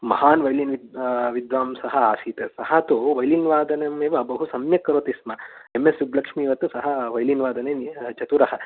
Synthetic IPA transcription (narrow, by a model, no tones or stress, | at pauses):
mɐ̰haːnʋɐjlinʋiʋid̪ʋaːmsɐɦɐaːsiːt̪esɐɦɐt̪uʋɐjlinʋaːd̪ɐnɐmeːʋɐbɐɦusɐmjɐkːɐɾoːt̪ismɐemːesʋublɐkʂmiːʋɐt̪usɐɦɐʋɐjlinʋaːd̪ɐneːt͡ʃɐt̪uɾɐɦɐ